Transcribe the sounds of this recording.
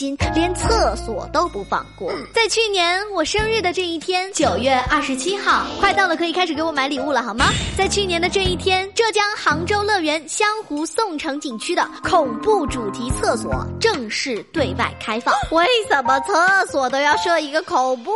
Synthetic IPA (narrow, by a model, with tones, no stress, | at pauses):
ɕi˥nljɛ˧˥nt͡sʰɤ˥˩swɔ̰˨˩t̪o˥ʊpu˧˥fɑ̰˥˧ŋkwɔ̰˥˩t͡sa˥˧ɪt͡ɕʰy˥˩njɛ˧˥nwɔ˨˩ʂə˥ŋɻɻ̩˥˩d̪ə˩ʈ͡ʂɤ˥˧i˥˩t̪ʰjɛ˥nt͡ɕjo˨˩ʊɥɛ˥˧ɐ˥˩ʂɻ̩˧˥t͡ɕʰi˥xɑ˥˩ʊkʰwa˥˧ɪt̪ɑ˥˩d̪ə˩kʰɤ˧˥i˨˩kʰa˥ʂɻ̩˨˩ke˧˥ɪwɔ˧˥ma˧˥ɪli˨˩u˥˩lə˩xɑ˧˥mɐ˧t͡sa˥˧ɪt͡ɕʰy˥˩njɛ˧˥nd̪ə˧ʈ͡ʂɤ˥˧i˥˩t̪ʰjɛ˥nʈ͡ʂɤ˥˩t͡ɕjɑ˥ŋxɑ˧˥ŋʈ͡ʂo˥ʊlɤ˥˩ɥɛ˧˥nɕjɑ˥ŋxu˧˥sʊ˥˩ŋʈ͡ʂʰɤ˧˥ŋt͡ɕi˨˩ŋt͡ɕʰy˥d̪ə˨kʰʊ˨˩ŋpu˥˩ʈ͡ʂu˨˩t̪ʰi˧˥t͡sʰɤ˥˩swɔ̰˨˩˦ʈ͡ʂɤ˥˧ŋʂɻ̩˥˩t̪we˥˧ɪwa̰˥˩ɪkʰa˥ɪfɑ˥˩ŋwe˥˩ɪsʂə˨˩nmə˦t͡sʰɤ˥˩swɔ˨˩t̪̬o˥ʊjɑ˥˧ʊʂɤ˥˩i˧˥ɡə˧kʰʊ˨˩ŋpu˥˩